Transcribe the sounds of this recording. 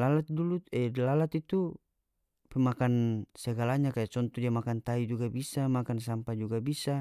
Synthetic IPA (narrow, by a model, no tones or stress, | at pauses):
lalat̪̚duluɛlalat̪it̪u | pɛmakansɛɡalaɲakajat͡ʃɔnt̪ud͡ʒiamakant̪aid͡ʒuɡabisamakans̬ampad͡ʒuɡabisa